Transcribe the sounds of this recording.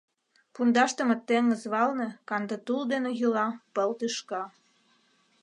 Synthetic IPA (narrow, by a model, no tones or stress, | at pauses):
pund̪ɑʃt̪ə̆mɤ̆t̪eŋəzβɑlnĕkɑnd̪ɤ̆t̪uld̪enĕjylɑpəlt̪yʃkɑ